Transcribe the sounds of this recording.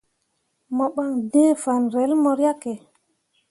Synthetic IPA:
mɔ˨ɓa˨ŋdẽː˦fa˨nɾe˨˦lmɔ˨ɾja˦ke˨

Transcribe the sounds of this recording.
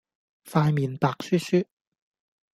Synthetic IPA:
faː˧jmiː˨npaː˧k̚syː˥syː˥

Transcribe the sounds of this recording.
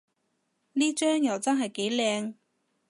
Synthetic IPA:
niː˥t͡ʃœː˥ŋjɐ˨˩wt͡sɐ˥nɦɐ˨jke˨˥jlɛː˧ŋ

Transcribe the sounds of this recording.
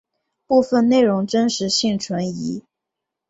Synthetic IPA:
pu˥˧fə˥˧nne˥˩ɪɻʊ˧˥ŋʈ͡ʂə˥nʂɻ̩˧˥ɕi˥˩ŋʈ͡ʂʰwə˧˥ni˧˥

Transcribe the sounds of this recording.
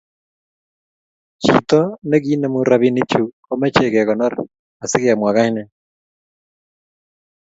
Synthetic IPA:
t͡ʃḭ˨t̪ɔ˦ne˦ɣi˦nɛ˦mu˦ɾa˦βi˦ni˦t͡ʃu˨ | o˦mɛ˦t͡ʃe˨ɣɛ˨ɣɔ˨nɔ˦ɾɛ | a˨sɪ˦ɣe˦a˨mwa˨ɣa˦i˦nɛ˨

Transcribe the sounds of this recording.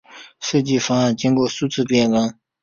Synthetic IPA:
ʂɤ˥˩t͡ɕi˥˩fa˥a˥˩nt͡ɕi˥ŋkwɔ˥˩su˥t͡sʰɹ̩˥˧pjɛ˥˩nlə˥ŋ

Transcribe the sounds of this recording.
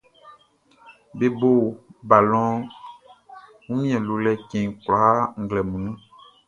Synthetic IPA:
be˨bo˨ba˨lɔ̃˦ | ŋũ˦ɲ̃˦ɛ̃˨lo˨lɛ˦kɛ̃˨ŋkla˨˦ŋ̩˨ɡlɛ˨mũ˨nũ˦

